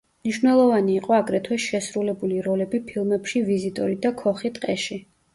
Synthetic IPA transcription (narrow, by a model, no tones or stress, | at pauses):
mniʃvnɛlˠɔvaniːqʼɔaɡɾɛt̪ʰwɛsʃɛsɾulɛbuliɾɔlɛbipʰilˠmɛpʃivizit̪ʼɔɾid̪akʰɔχit̪ʼqʼɛʃi